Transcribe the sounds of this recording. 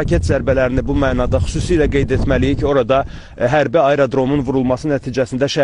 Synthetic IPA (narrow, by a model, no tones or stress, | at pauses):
cʰet̪zæɾbælæɾinibumæːnɑd̪ɑxy̥suːsiːlæɡe̞jd̪e̞t̪mælijicʰio̞ɾɑd̪ɑ | ɦæɾbiɑjɾod̪ɾo̞munvuɾulˠmɑsɯnæt̪ʰiːd͡ʒæsind̪æʃæ